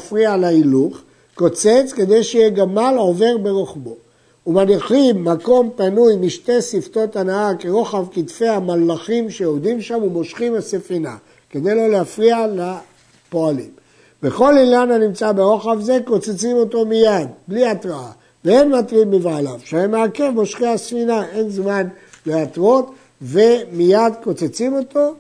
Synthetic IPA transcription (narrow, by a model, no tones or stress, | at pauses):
fʁialailuχ | ko̞t͡se̞t͡ske̞d̪e̞jʃeijeɡamalo̞ve̞ʁbe̞ʁoχbo̞ | umaniχimːako̞mpanujmiʃte̞sifto̞t̪anaake̞ʁo̞χavkit̪fe̞jamalːaχimʃeod̪imʃamumo̞ʃχimasefina̰ | ke̞d̪e̞jlo̞leafʁiala | po̞alḭm | beχo̞lilananimt͡sabeʁoχavze̞ko̞t͡set͡simo̞to̞mijad̪bliat̪ʁaa | veenmatʁimːivaːlavʃeaemeake̞vmo̞ʃχimasfinae̞nzmanleat̪ʁo̞t̪ | ve̞mijad̪ko̞t͡set͡simo̞t̪o̞